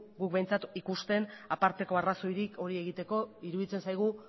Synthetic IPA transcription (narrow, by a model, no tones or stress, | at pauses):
ɡuk̚bejnt͡sat̪ikust̪e̞napaɾt̪e̞ko̞araso̞jɾikʰo̞ɾie̞ɣit̪e̞ko̞iɾuðit͡se̞nsajɣ̞u